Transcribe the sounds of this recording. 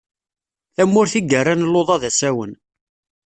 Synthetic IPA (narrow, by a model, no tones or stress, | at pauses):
θæmːʊɾθiɡərːanlːoðˤɑðæsæwən